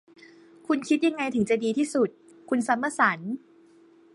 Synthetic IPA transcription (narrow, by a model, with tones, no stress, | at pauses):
kʰu˧nkʰi˦˥t̪̚ja˧ŋːa˧jt̪ʰɯ˩˦ŋt͡ɕa˨˩diː˧t̪ʰiː˥˩su˨˩t̪̚ | kʰu˧nsa˨˩˦mːa˧sa˩˦n